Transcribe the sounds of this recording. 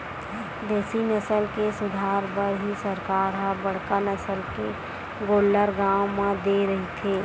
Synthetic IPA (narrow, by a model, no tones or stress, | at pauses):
d̪eːsinəsəlkesʊd̪ʱaːɾbəɾɦisəɾkaːɾɦãbəɽ̤kanəsəlke | ɡoːlːəɾɡaːwmãd̪eɾɐɦit̪ʰeː